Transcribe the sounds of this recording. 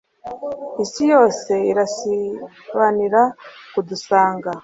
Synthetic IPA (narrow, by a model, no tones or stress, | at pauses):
isijo̞ːse̞iɾasi | βaniɾakudusaːŋɡa